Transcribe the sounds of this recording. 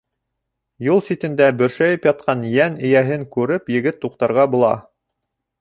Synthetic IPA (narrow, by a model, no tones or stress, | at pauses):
julˠsit̪ɘ̆nd̪æbɵ̆ɾʃæjɘpjɑt̪̚qɑnjænɘ̆jæɦɘŋkʉɾɘpjɘ̆ɡɘt̪ːuqt̪ɑɾʁɑbŭlˠɑ̰